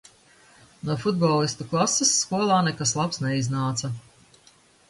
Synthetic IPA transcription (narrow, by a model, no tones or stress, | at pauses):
nuɔfud̪̚bɔlˠist̪uklˠasːesːkuɔlˠɑːnɛkaslˠapsnɛiznaːt̪sɐ